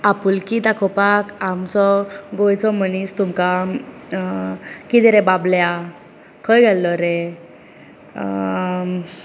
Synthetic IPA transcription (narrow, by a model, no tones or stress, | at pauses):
apulkit̪akʰɔpakamt͡sɔɡojt͡sɔmənist̪umka | kit̪ɛɾɛbablja | kʰəjɡʱɛlːɔɾe